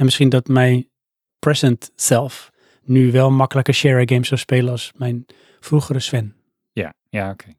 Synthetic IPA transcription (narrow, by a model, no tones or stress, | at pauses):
ɛnmɪsχindɔtmɛj | prɛsəntsɛlˠf | nyʋɛlˠmakələkəʃɛɹəɡemsɔwspeːlˠənɔsmɛjn | fruχərəsʋɛn | ja | jaokʰe